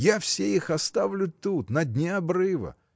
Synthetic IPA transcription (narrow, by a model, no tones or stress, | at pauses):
jafsʲeixɐst̪avlʲʊt̪ut̪nɐdʲnʲɪɐbɾɨvə̰